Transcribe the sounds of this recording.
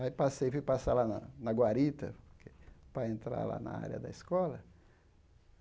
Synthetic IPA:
aipasejfujpasalanɐnɐɡwaɾit̪ɐ̰po̥ɾkʰe̥pɾɐẽnt̪ɾa̰la̰nɐ̰a̰ɾjɐ̰d̪ɐ̰iskɔlɐ

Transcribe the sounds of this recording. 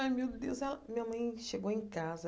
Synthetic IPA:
ɐmiwd̪ʊd̪ezɛlɐmĩɲɐmɐ̃j̃ʃeɡowẽj̃kazɐ

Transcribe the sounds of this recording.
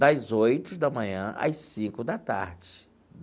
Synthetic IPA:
d̪ɐzojt̪ʊd̪ɐmɐ̃ɲɐ̰̃ʔɐ̰sĩkʊd̪ɐt̪a̰ɾd͡ʒɪ

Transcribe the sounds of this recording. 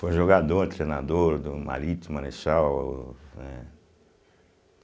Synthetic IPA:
fojʒoɡad̪oɾt̪ɾenad̪oɾd̪ʊma̰ɾit̪imaɾeʃaw | ɛ

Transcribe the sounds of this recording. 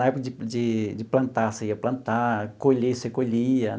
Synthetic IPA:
aɛpokɐd͡ʒid͡ʒid͡ʒɪplɐ̃nt̪aseiɐplɐ̃nt̪akolesekoliɐ

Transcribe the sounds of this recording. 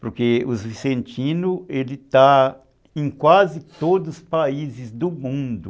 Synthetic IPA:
poɾkeʊzvisẽnt͡ʃĩnʊelɪt̪a | ẽj̃kwazɪt̪od̪ʊspaizɪzd̪ʊmũnd̪ʊ

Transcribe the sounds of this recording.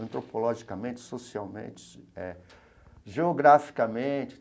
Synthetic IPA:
ɐ̃nt̪ɾopolɔʒikɐmẽnt͡ʃɪ̥sosiawmḛ̃t͡ʃɪ̥ɛ̰ | ʒeoɡɾafi̥kɐmẽt͡ʃɪ̥

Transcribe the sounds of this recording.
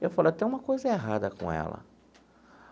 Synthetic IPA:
ewfalet̪ẽj̃ũmɐkojzɐeɦad̪ɐkõ̰ɛ̰lɐ̰

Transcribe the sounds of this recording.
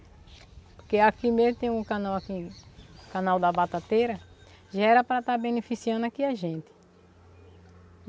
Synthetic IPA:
poɾkeakimezmʊt̪ẽj̃ũkɐ̃nawaki | kãnawd̪ɐbat̪at̪eɾɐ | ʒaɛɾɐpɾɐt̪abẽnefisiɐ̃nd̪akiaʒẽnt̪ɪ̥

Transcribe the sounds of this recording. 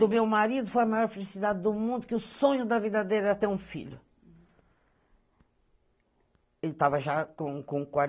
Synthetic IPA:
ʊmewmaɾid̪ʊfojɐmajɔɾfelisid̪ad̪ɪd̪ʊmũnd̪ʊkɪʊsõɲʊd̪ɐvid̪ɐd̪ejɾɛɐt̪eũfḭʎʊ | elɪt̪avɐʒakõkõkwa

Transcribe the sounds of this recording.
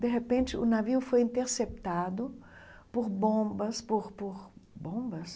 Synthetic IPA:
d̪eɦepẽnt͡ʃɪʊnaviʊfojĩnt̪eɾsept̪ad̪ʊpoɾbõbɐspoɾpoɾbõmbɐs

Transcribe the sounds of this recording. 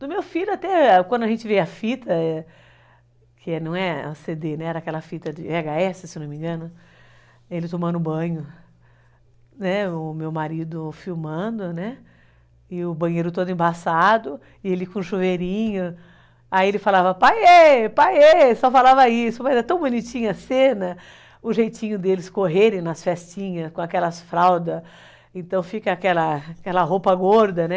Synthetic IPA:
d̪ʊmewfilʲʊat̪ɛkɐ̃nd̪ʊɐʒẽnt͡ʃɪveɐfit̪ʰɐ | kʰɪɛnɐ̃w̃ɛa̰sed̪enɛ̃ɛɾɐakɛlɐfit̪ɐd͡ʒɪaɡaɛsɪsewnõmĩŋɡɐ̃nʊ | elɪt̪õmɐ̃nʊʊbɐ̃ɲʊ | nɛʊmewmaɾid̪ʊfiwmɐ̃d̪ʊnɛ | ɪʊbɐ̃ɲejɾʊt̪od̪ʊẽbasad̪ʊ | ɪelɪkõʃuveɾĩɲʊ | aielɪfalavɐpajepajesɔfalavɐisʊmɐzɛt̪ɐ̃w̃bunit͡ʃĩɲʊɐsẽnɐ | ʊʒejt͡ʃĩɲʊd̪elɪskoɦeɾẽj̃nɐsfɛst͡ʃĩɲɐskõakɛlɐsfɾawd̪ɐs | ẽt̪ɐ̃w̃fikɐːkɛlɐkɛlɐɦowpɐɡoɾd̪ɐnɛ

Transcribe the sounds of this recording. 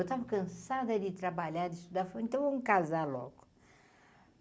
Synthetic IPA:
wt̪avɐkɐ̃nsad̪ɐd̪ɪt̪ɾɐbaʎaɾd̪iʃt̪ud̪afɐẽnt̪ɐ̃w̃oũkazalɔ̰ɡu̥

